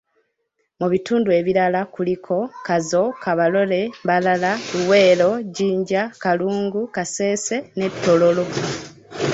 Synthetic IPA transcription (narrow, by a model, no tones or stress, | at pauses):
muβituːndue̞βiɾalakulikʰo̞kazo̞kaβalo̞le̞mbalalaluwe̞ːlo̞ɟiːɲɟakaluːŋɡukase̞ːse̞ne̞βitːo̞lo̞lo̞